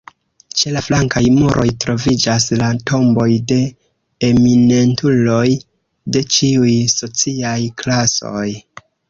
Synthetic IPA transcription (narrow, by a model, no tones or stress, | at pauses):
t͡ʃe̞laflaŋkajmuɾʔo̞̰jtɾo̞vid͡ʒaslatʰo̞mbo̞jde̞ | emine̞ntʰulo̞j | de̞t͡ʃiujso̞t͡siajklaso̞̰j